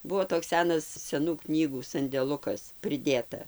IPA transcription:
ˈbuɔ toːks ˈsʲæːnɐs sʲɛˈnuː knʲiːˈɡuː sɐnʲdʲɛˈlˠʊkɐs pʲrʲɪˈdʲeːtɐ

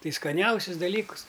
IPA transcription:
ˈtɐɪ skɐˈnʲɛʊsʲɪs dɐˈlʲiːkʊs

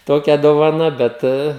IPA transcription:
ˈtoːkʲɛ doːʋɐˈnɐ ˈbʲɛt

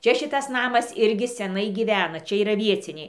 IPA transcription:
ˈt͡ʃʲɛ ˈʃʲɪtɐs ˈnɑːmɐs ˈɪrʲɡʲɪ sʲɛˈnɐɪ ɡʲiːˈʋʲæːnɐ ˈt͡ʃʲɛ iːˈrɐ ˈʋʲiɛt͡sʲɪnʲɛɪ

